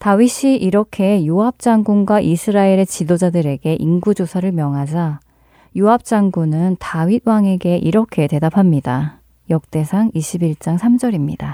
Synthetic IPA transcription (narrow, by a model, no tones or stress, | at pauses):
taɥiɕ͈ʰiʔiɾʌkʰe̞juɦap̚t͡ɕ͈aŋɡunɡwaʔisʰɯɾaeɾe̞t͡ɕidod͡ʑadɯɾe̞ɡe̞ʔinɡud͡ʑosʰaɾɯɭmjʌŋɦad͡ʑa | juɦap̚t͡ɕ͈aŋɡunɯntawɥid̚waŋe̞ɡe̞ʔiɾʌkʰe̞te̞dapʰamɲida | jʌk̚t͈e̞sʰaŋiɕʰibiɭt͡ɕ͈aŋsʰamd͡ʑʌɾimɲḭd̥a